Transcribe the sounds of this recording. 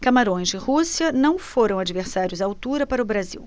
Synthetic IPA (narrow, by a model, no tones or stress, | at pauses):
kamaɾõj̃zɪhusiɐnɐ̃w̃foɾɐ̃w̃ad͡ʒiveɾsaɾjʊzawt̪uɾɐpaɾɐʊbɾaziw